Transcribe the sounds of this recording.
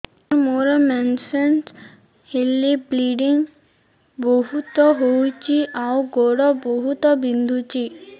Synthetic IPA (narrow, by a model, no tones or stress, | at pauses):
ɾmoɾɔmɛnsens | hilːibliɖiŋ | boɦut̪ɔɦojt͡ɕiʔawɡoɽɔboɦut̪ɔbind̪ʱut͡ɕi